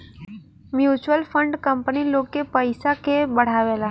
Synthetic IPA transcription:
mjut͡ʃʋəlfəɳɖkəmpnilokepəjsakebəɽ̤aʋela

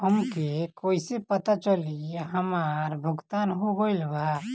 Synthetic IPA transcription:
həmkekoːisepət̪at͡ʃəliɦəmaːɾbʱʊɡt̪aːnɦoɡəɪlbʱa

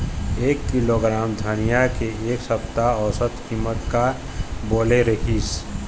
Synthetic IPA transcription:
eːkːiloɡɾaːmd̪ʱənijakeeːksəp̚t̪aɔsət̪kimːət̪ka | boːleɾəɦiːs

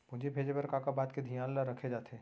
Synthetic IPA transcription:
mʊd͡ʒʱebʱeːd͡ʒepɐɾkaːkabaːt̪ked̪ʱijãːllaɾɐkʰed͡ʒaːt̪eː

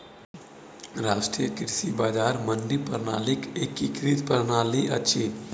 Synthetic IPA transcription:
ɾasʈɾijəkiɾsibaːd͡ʒaːɾmənd̪ipəɾna̰ːlikekːikɾit̪pəɾnaːliʔə̰t͡ʃʰi

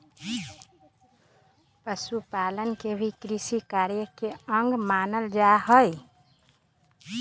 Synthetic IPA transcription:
pəsupalənkebʱikɾisikaɾjəkeəŋɡmanəld͡ʒaɦəj

